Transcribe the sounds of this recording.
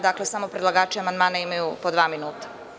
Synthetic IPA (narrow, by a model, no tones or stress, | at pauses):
d̪akle̞samo̞pɾed̪lˠaɡaːt͡ʃamand̪maːnaimajupod̪ʋaːminuːt̪ḁ